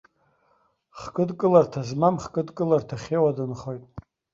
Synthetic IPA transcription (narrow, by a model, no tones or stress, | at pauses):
χkʼɨdkʼɨlartʰazmamχkʼɨdkʼɨlartʰaχʲewadɨnχo̞jtʼ